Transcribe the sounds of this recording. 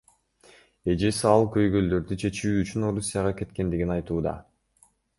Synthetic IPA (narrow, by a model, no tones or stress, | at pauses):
e̞d͡ʒesiɑlˠkø̞jɡø̞ld̪ø̞ɾd̪yt͡ʃʰe̞t͡ʃyːt͡ʃyno̞ɾusʲːijaʁɑke̞t̪ke̞nd̪iɡinɑjt̪uːd̪ɑ̰